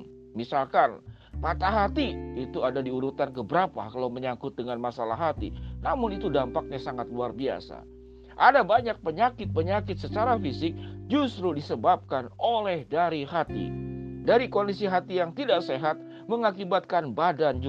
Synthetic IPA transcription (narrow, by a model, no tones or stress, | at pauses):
misalkan | pat̪aɦat̪iit̪uadadiuɾut̪ankəbəɾapa̰kalawməɲakʊt̪̚dəŋanmasala̰ɦat̪ḭnamʊnit̪udampak̚ɲasaŋat̪̚luarbia̰sa̰ | ʔadabaɲak̚pəɲakɪt̪̚pəɲakɪt̪̚sət͡ʃaɾafisɪk̚d͡ʒust̪ɾudisəbap̚kanolɛhdaɾiɦat̪ḭdaɾikondisiɦat̪ijaŋt̪idaʔseɦat̪̚ | məŋakibat̪̚kanbadand͡ʒ